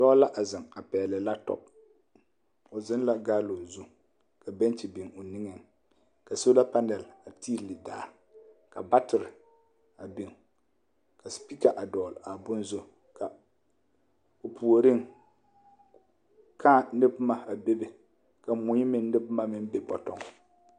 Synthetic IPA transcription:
dɔː˦la˦ʔa˨zɪ˨ŋa˨pɛː˨lɪ˨la˦tɔ̰˨p̚ | ʊ˨zɪ˦nla˦ɡaː˦lo˨zʊ˦ | ka˨bɛ˦n˦t͡ʃɪ˨bɪ˨ŋo˨nɪ˦ŋɛ˨ŋ | ka˨so˦la˦pa˦nɛ˨la˨ti˦˨lɪ˨daː˨ | ka̰˨ba˦tɪ˨ɾɪ˨ | a˨bɪ˨ŋ | ka˨spi˦ka˨ʔa˨dɔː˨la˨bʊ˦nzo˦ | kʰa˨ | o˨pu˨o˨ɾɪ˦ŋ | kʰaː˦˨nɪ˦bma˨a˨be˦be˨ | ka˨mʊ˨ɲɪ˦mɪ˦˨nnɪ˦bma˦mɪ˦m˦be˦pɔ˨tɔ˨ŋ

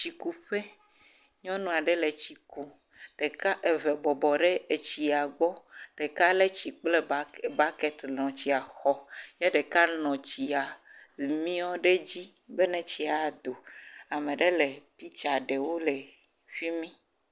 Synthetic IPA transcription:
t͡ʃi˨ku˦ɸe˦ | ɲɔ̃˦nũ˦˨a˨ɖe˦le˨t͡ɕi˨ku˦ | ɖ̥e˨ka˦ʔe˨ve˨bɔ˨bɔ˨ɖe˦e˨t͡ɕi˨a˨ɡ͡bɔ˦ɖ̥e˨ka˦le˦t͡ɕi˨k͡ple˦ba˦kɛ˨t̪lɔ̃˨t͡ɕi˨a˨xɔ˦jɛ˦ɖe˨ka˦nɔ̃˨t͡ɕi˨a˨lmĩ˦ɔ˦ɖe˦d͡ʑi˦ | be˦nɛ̃˨t͡ɕi˨a˨d̪o˨a˨mẽ˨ɖe˦le˨pi˦t͡ʃa˨ɖe˨wo˦le˨ | fi˦mĩ˦

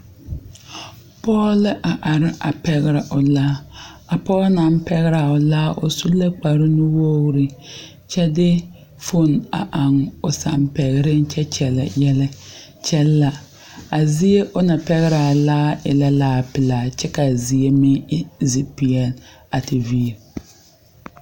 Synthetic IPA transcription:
pɔː˦lɪ˦ʔa˨ʔa˨ɾɪ˦a˨pɛ˦ɣɪ˦ɾa˨ʔʊ˨laː˦a˨pɔː˦na˨˦m˦pɛ˦ɣɪ˦ɾa˨ʊ˨laː˦ʔʊ̰˨su˦la˦k͡pa˨ɾɪ˦nʊ˦wo˦ɾɪ˦ | t͡ʃɛ˦dɪ˦ | fʊ˦na̰˨ʔa˨ŋʊ˨sa̰˨mpɛ˨ɣɪ˨˦ɾɪ˦n˦t͡ʃɛ˦t͡ʃɛ˨lɛ̰˨jɛ˦lɛ˦ | t͡ʃɛ˦lːa˨ | a˨zi˦e˦ʔʊ˦na˨pɛ˦ɣɪ˦ɾa˨laː˦ɪ˨la˦laː˦pɪ˨laː˨t͡ʃɛ˦ka˨zi˨e˦mɪ˦zi˨pi˨ɛ˨l | a˨tɪ˨vi˦˨ɾ

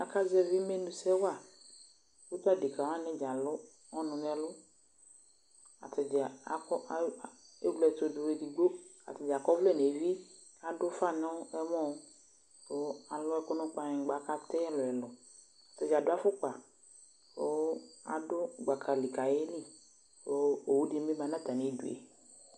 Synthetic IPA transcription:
a˨ka˦zɛ˦vi˦me˦nũ˨sɛ˦wa˦˨ | wo˦t̪a˦di˨ka˨wa˦nɛ̃˦d͡ʒa˨lʊ˦ | ɔ˦nʊ̃˨nɛ̃˨˦lʊ˦ | a̰˨t̪ɛ˨d͡ʒɛ˨a̰˨kɔ˦˨e˦ɡ͡blɛ˨t̪o˨dʊ˨we˨di˨ɡ͡bo˦a̰˨t̪ɛ˨d͡ʒa˨kɔ˦vlɛ˦˨ne˨vi˦ | a˨dʊ˦fa˦nɛ̃˦wo˦ɛ˦mɔ̃˦˨˦ | so˦a˨lʊ˦ɛ˦kʊ˦nʊ̃˦k͡pa˦ɲɛ̃˨˦ɡ͡ba˨˦ka˦t̪ɛ˦lʊ˨ɛ˨lɔ˨ | a˨t̪e˨d͡ʒa˨dʊ˦a˦fʊ˦k͡pa˨ | so˨˦a̰˨dʊ˦ɡ͡ba˨kʰa˨li˨ka˨je˦li˦ | so˦o˨wu˦di˦me˦ba˨˦nã˦t̪a˨nẽ˨˦dṵ˨ḛ˨

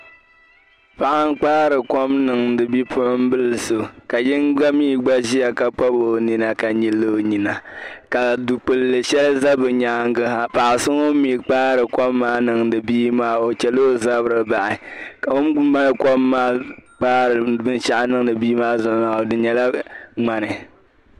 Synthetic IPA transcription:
pa˨ʔa˦ŋ˦k͡paː˦ɾɨ˨ko˦mnɨ˨ŋdɨ˨bi˦pʰʊ˦ʔʊ˦m̩˦bɨ˦lɨ˨so˨ka˨jɪ˦ŋɡ͡ba˦miː˦ɡ͡ba˦ʒi˦a˨ka˨k͡pa˦bo˨ni˨na˨ka˨ɲi˨lːo˦˨ɲi˨na˨ka˨du˨k͡pɨ˨lːɨ˨ʃɛ˦lza˦bɨ˨ɲa˨˦ŋ˦ɡɨ˦ha˨pa˨ʔsɨ˦ŋo˦mi˨k͡paː˦ɾɨ˨kɔ˦mːaː˦nɨ˨ŋdɨ˨biː˦maː˦o˨t͡ʃɛ˨lo˦za˦bɾɨ˨ba˨ʔɪ˨ka˨o˦m˦ma˦lkɔ˦mːaː˦k͡paː˦ɾɨ˨bɨ˦nʃa˦ʔa˦nɨ˦ŋ˦nɨ˨biː˦maː˦zʊ˨˦na˨o˨dɨ˨ɲɛ˨la˦ŋ͡ma˨nɨ˨

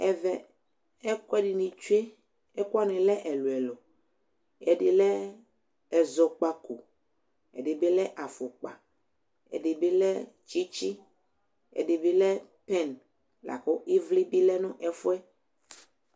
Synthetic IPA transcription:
ɛ˨vɛ˨ | ɛ˦kɔ˦ɛ˦ɖi˨nĩ˨t͡ʃu˦e˦ | ɛ˦ku˦a˦nɪ̃˨lɛ˦ʔɛ˨lu˨ɛ˨lɔ˨ | ɛ˨ɖɪ˨lɛ˦ | ɛ˨zɔ˨k͡pa˨ko˨ | ɛ̰˨ɖe˨be˦lɛ˦ʔa˨fo˨k͡pa˨ | ɛ̰˨ɖe˨be˦lɛ˦ | t͡ʃi˦t͡ʃi˦ | ɛ̰˨ɖe˨be˦lɛ˦ | pɛ˦˨n | la̰˨kɔ˦i˦vli˦bi˦lɛ˦nũ˦ʔɛ˨fo˦ɛ˦

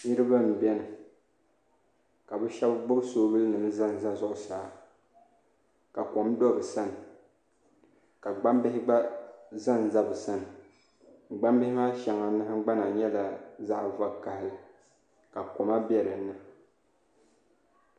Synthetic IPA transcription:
ni˦ɾɨ˦ba˦m̩˨bɛ˦nɨ˨ | ka˨bɨ˦ʃɛ˦bbʊ˦bsoː˦bɨ˦lɨ˦nɨ˨mɨ˦za˦n˨za˦zʊ˦˨ʔʊ˨saː˨˦ | ka˨kɔ˨m˦dɔ˦˨bɨ˨sa˦nɨ˨ | ka˨ɡ͡ba˦mbɪ˦hɪ˦ba˦za˦˨n˨za˦bɨ˨sa˦nɨ˨ | ɡ͡ba˦mbɪ˦hɪ˦ma˦ʃɛ˨ŋa˨na˦ha˦ɡ͡ba˦na˨ɲɛ˦la˨za˦ʔva˦ka˨hɪ˦lɨ˨ | ka˨kɔ˨ma˦bjɛ˦ɾɨ˨˦nɨ˦

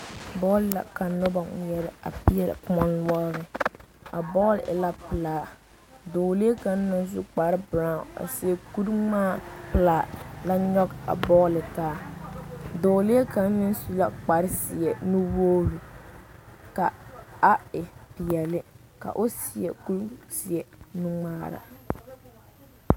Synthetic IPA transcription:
bɔː˦lla̰˨ka˨nɔ˦ba˨ŋ˨jɛ˦ɾɪ˦a̰˨pi˨˦ɛ˦lɪ̰˨˦mɔ˦nnwɔ˦lɾɪ˨a˨bɔː˦lɪ̰˨ʔɪ̰˨la˦pɨ˨laː˨ | doː˨le˦e˦ka˨n̩˦na˨nzu˦k͡pa˨ɾɪ˦bɾa˨a̰˨si˨˦ɛ˨ku˦ɾmaː˦˨pɨ˨laː˨la˦ɲɔ˦ɡa̰˨bɔː˦lɪ˨taː˦ | doː˨li˦e˦ka˨n˦mɪ˦n˦su˦la˦k͡pa˨ɾɪ˦sɪ˨ɛ˨nu˦woː˦ɾu˨ | ka˨a˦ɪ˨pɪ˨jɛ˨lɪ˦ | ka̰˨ʔʊ˦sɪ˨ɛ̰˨ku˦lsi˨ɛ˨nu˦ŋ͡maː˦ɾa̰˨

